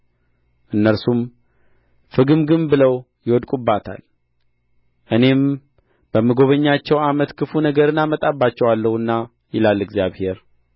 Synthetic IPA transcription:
ʔɨnːəɾsum | fɨɡɨmɡɨmbɨləw | jɪwɔd̪kʼubːat̪ʰa̰l | ʔɨne̞m | b̥əmːɨɡo̞βəɲːat͡ʃːɛwamət̪kʰɨfunəɡəɾɨnamət̪ʼabːat͡ʃːɛwalːəhuɨnːa | jɪlalːɨɡzjaβhe̞ɾ

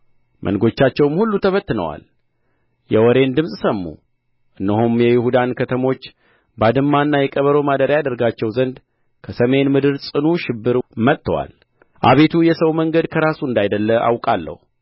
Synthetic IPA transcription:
mʔə̰nɡo̞t͡ʃːat͡ʃːɛwmhulːut̪ʰəβət̪ːɨnə̰wa̰l | jɛwɔɾe̞nd̪ɨmsʼsəmːṵ | ʔɨnːəhumjɛjɪhud̪ankʰət̪ʰəmo̞t͡ʃː | bad̪ɨmːanːajɛkʼəβəɾo̞mad̪əɾjad̪əɾɡat͡ʃːɛwzənd̪ | kʰəsəme̞nmɨd̪ɨɾsʼɨnuʃɪbːɨɾmət̪ːəwa̰l | ʔa̰βe̞t̪ʰujɛsəwməŋɡəd̪kʰəɾasuɨnd̪ajd̪əlːəʔa̰wkʼalːə̰hu

